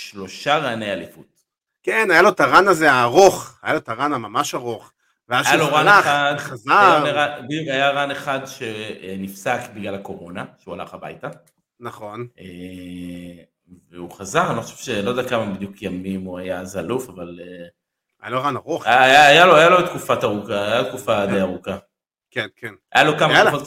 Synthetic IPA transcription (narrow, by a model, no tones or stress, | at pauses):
ʃlo̞ʃaʁaːnejalifut | kenajalo̞taʁanazeaːʁo̞χajalot̪aʁanamamaʃaʁoχ | veaaaloʁanleaad̪χazaeʁabid̪jukajaʁaneχad̪ʃe̞enifsakbiɡlalako̞ʁo̞naʃeuala̰χaba̰jta | naχo̞ne | veuχazaʁaniχoʃev̥ʃelo̞ɛakamabid̪jukʰjamimuajazalufavale | ajaloʁanaʁoχːjaːjaloajalot̪kufat̪aʁukaːjalot̪̚kufad̪ejaʁuka | kenkenajalokamakfot̪